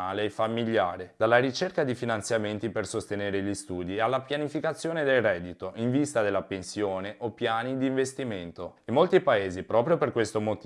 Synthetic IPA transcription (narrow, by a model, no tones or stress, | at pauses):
aːleːfamːiʎːaːɾed̪alːaɾit͡ʃerkad̪ifinant̪sjament̪ipersost̪eneːɾeʎist̪uːd̪iealːapjanifikat̪sːjoːned̪elrɛːd̪it̪oʔiɱvist̪ad̪elːapensjoːneʔopjaːnid̪iːɱvest̪iment̪oimːolt̪ipaeːzipɾɔːpɾjoperkwest̪omot̪